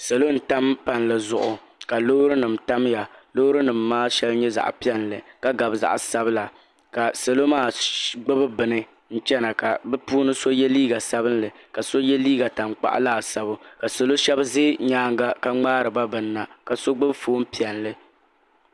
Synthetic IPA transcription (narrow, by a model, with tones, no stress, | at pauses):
sa˨lo˦n̩˨ta˦mpa˨n˨lɨ˨zʊ˨ʔʊ˨ | ka˨lo˦hɾɨ˦nɨ˨mta˦mja˨lo˦hʊ˦ɾɨ˦nɨ˨mːaː˦ʃɛ˦lɲɛ˦za̰˨ʔpi˦ɛ˦nlɨ˨ka˦ɡa˨bɨ˨za̰˨ʔsa˦bɨ˦la˨ | ka˨sa˨lo˦maː˦˨ɡ͡bɨ˦bɨ˦bɨ˨nɨ˦ | n̩˦t͡ʃɛ˦na˨ka˨bɛ˦puː˦nɨ˦so˦jɛ˦liː˦ɡa˨sa˦bɨ˦nlɨ˨ | ka˨so˦jɛ˦liː˦ɡa˨ta˨ŋ͡mk͡pa̰˦ʔlaː˨sa˦bʊ˦ka˨so˨lo˦ʃɛ˦bzɪ˦ɲaː˦ŋ˦ɡa˦ka˦ŋ͡maː˦ɾɨ˨ba˦bɨ˨nː˦a˨ka˨so˦ɡ͡bɨ˦bfoː˦m̩˦pi˨ɛ˨nlɨ˦